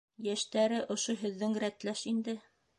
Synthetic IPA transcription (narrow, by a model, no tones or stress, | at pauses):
jæʃt̪æɾɘʔŏʃoɦɵ̆ðːɘŋɾæt̪læʃind̪ɘ